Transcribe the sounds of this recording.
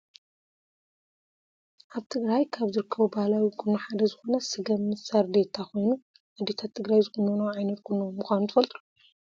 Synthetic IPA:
ʔaβt̪ʰɨɡɾajkʰaβzɨɾɨkʰːɐβubahlawikʰʼɨnːuħad̪ɐzɨxo̞nɐsɨɡɐmɨsaɾd̪et̪ʰakʰo̞jnu | ʔad̪et̪ʰat̪ʰːɨɡɾajzɨkunːɐnɐwʕajnɐt̪̚kʰunːowmːuxʷanut̪ʰɨfɐlt̪ʰluu

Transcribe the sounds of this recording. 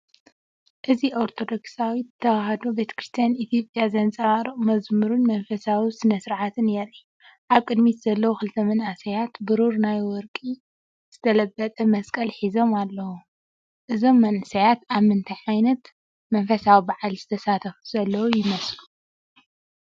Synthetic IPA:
ʔɨziʔoɾt̪ʰo̞d̪o̞ksawiɨt̪ʰːɐwaɦɐd̪obe̞t̪ʰɐ̥kɾɨst̪ʰijanit̪ʰijo̞pʼjazɐnt͡sʼɐβaɾɨmɐzmɨɾunmɐnfɐsawisɨnɐsɨɾʕat̪ʰɨnjɛɾi | ʔaβkʼɨd̪mit̪z̥ɐlːɐwuxɨlt̪ʰɐmɐnʔasɐjat̪bɨɾuɾnajwɔɾkʼi | z̥ɨt̪ʰɐlɐbːɐt̪ʼɐmɐskʼɐlħizo̞malːɐwu | ʔɨzo̞mːɐnʔɨsɐjat̪aβmɨnt̪ʰiʕajnɐt̪ | mɐnfɐsawibaʕalz̥ɨt̪ʰɐsat̪ʰɐfu̥z̥ɐlːɐwujɪmɐslu

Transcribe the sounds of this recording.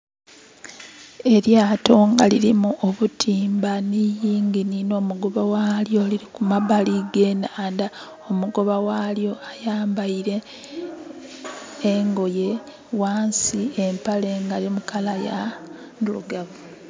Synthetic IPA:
e̞ɾjaːto̞ːŋɡa̰liɾimuʔoβutʰiːmbanijiːŋɡinino̞ːmuɡo̞βawaljo̞liɾikumaβaliɡe̞nanda | omuɡo̞βawaːljo̞ajaːmbaiɾe̞ | ŋɡo̞je̞ | waːnsiempale̞ŋɡalimukalaja | nulṵɡaβu

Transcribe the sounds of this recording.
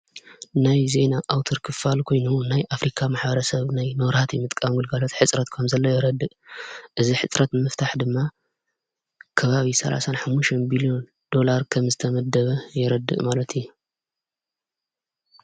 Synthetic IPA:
najze̞naʔawt̪ʰɨɾkʰɨfalkʰo̞jnunajʔafɾikʰamaħbɐɾɐsɐβnajnɐwɾhat̪jɪmɨt̪ʼkʼamɡɨlɡalot̪ħɨt͡sʼɾɐt̪kʰɐmzɐlːojɛɾɐd̪ːɨʔʔɨziħɨt͡sʼɾɐt̪ɨmɨft̪ʰaħd̪ɨmːa | kʰɐβaβisɐlʔa̰sanħamːuʃɐnbilio̞n | d̪̥o̞laɾkʰɐmzɨt̪ʰɐmɐd̪ɐβɐjɪɾɐd̪ːɨ̰ʔʼmalɐt̪ʰju

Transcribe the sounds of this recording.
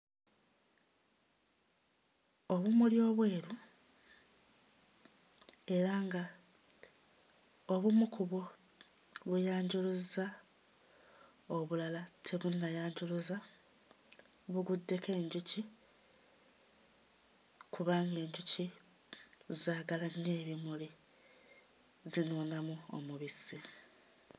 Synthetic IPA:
o̞βumuljo̞ːβwe̞ːɾu | e̞ɾaŋɡa | o̞βumukuβo | βujaːɲɟuluza | o̞βulalatʰeβunːajaːɲɟuluza | βuɡudːe̞ke̞ːɲɟuci | kuβaːŋɡe̞ːɲɟuci | zaːɡalanːe̞ːβimuli | zinoːnamuo̰muβisi

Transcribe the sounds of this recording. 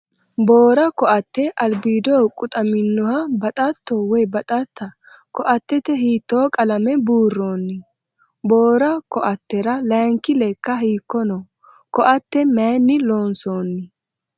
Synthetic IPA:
bo̞ːɾɐkɔʔɐt̪ːɛʔɐlbiːd̪oːkʼʊt̪ʼɐmɪnːɔhɐbɐt̪ʼɐt̪ːowɛjbɐt̪ʼɐt̪ːɐ | kɔʔɐt̪ːɛt̪ɛhiːt̪ːoːkʼɐlɐmɛbuːrːoːnːɪ | boːɾɐkɔʔɐt̪ːɛɾɐlɐːŋkɪlɛkːɐhiːkːɔnɔ | kɔʔɐt̪ːɛmeːnːɪloːnsoːnːɪ

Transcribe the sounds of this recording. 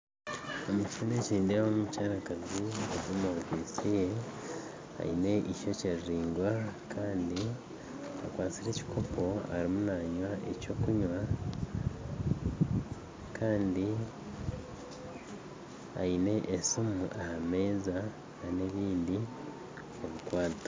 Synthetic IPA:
omucine̞ciːndiaoumucaːɾakaziezimoɡisije | a̰ḭne̞ʔiʃoceɾɾiːŋɡwakʰaːndi | a̰kwaːt͡siɾe̞ːci̥kʰo̞po̞a̰ɾimunaːɲwaʔe̞̰co̞kuɲwa | kʰaːndi | a̰ine̞ʔesimuʔahame̞ːza | nane̞βiːndi | oβikwaːtḁ

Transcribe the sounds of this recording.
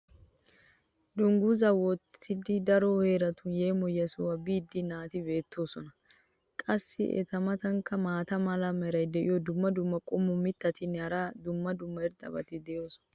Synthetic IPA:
d̪ʊŋɡuzɐwɔt̪ʰːɪd̪ɪd̪ɐɾoheːɾɐt̪ʊnjeːmɔjːɐsʊwɐbiːd̪ːɪnaːt̪ɪbe̞ːt̪ːo̞ːsɔnɐ | kʼɐsːɪ̰ʔɛ̰t̪ɐmɐt̪ɐŋkːɐmaːt̪ɐmɐlɐmɛɾɐjd̪ɛʔɪjɔd̪ʊmːɐd̪ʊmːɐkʼɔmːʊmɪt̪ːɐt̪ɪnːɐɾad̪ʊmːɐd̪ʊmːɐɪɾd̪ʼɐ̰bɐ̰t̪ɪd̪ɛjo̞ːsɔ̥nɐ

